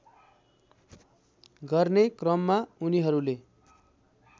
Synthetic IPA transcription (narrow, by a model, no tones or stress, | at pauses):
ɡʌrnekrʌmːauniɦʌɾule